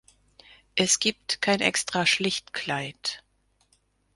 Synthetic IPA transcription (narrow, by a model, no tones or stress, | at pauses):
ʔɛsɡ̥iːp̚tkʰaɪnʔɛ̰kstʁ̥aʃlɪçtkʰl̥aɪt